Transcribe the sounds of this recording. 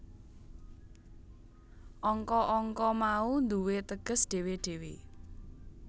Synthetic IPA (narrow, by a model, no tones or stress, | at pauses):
ʔɔŋkɔʔɔŋkɔmaund̪uwet̪əɡ̥ə̤sɖ̥e̤weɖ̥e̤we